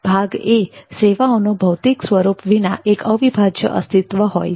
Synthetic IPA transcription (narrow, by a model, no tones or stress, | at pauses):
b̥ʱaɡeseʋaonobʱəwt̪iksʋəɾupʋina̰ʔekəʋibʱad͡ʒjə̰ʔə̰st̪it̪ʋəɦo̰j